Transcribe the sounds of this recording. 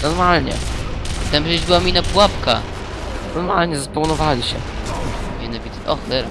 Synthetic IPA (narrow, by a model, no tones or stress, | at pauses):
nɔɾmalɲɛ̰t̪ɛmʐɛd͡ʑbɘwamʲinapwapka̰ | nɔɾmalɲɛzapɔwnɔvalʲiɕɛ̰ | mʲɛnavʲit̪ʔɔxlɛɾa